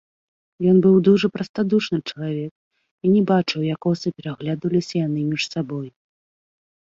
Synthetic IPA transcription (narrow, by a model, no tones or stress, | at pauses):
jɔnbɨwd̪uʐɐpɾɐst̪ad̪uʂnɨt͡ʂɐlˠavʲɛk̚ | inʲɛbat͡ʂɨwjakɔsɐpʲɛɾaɣlʲad̪vɐlʲisʲɐjanɨmʲiʂsabɔju